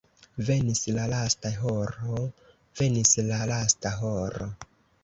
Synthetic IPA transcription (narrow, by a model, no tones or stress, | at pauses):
ve̞nislalastaɦoɾo | ve̞nislalastaɦoɾo̰